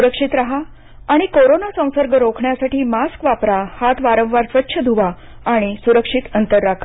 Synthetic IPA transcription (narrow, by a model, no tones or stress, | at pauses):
suɾəkʂit̪ɾaɦaː | ɽ̃ikoɾonasə̃w̃səɾɡəɾokʰɳjasaʈiːmaskʋapɾahat̪ʋaɾə̃wʋaɾsʋətːɕʰəd̪ʱuʋaː | ɽ̃isuɾəkʂit̪ənt̪əɾːakʰḁ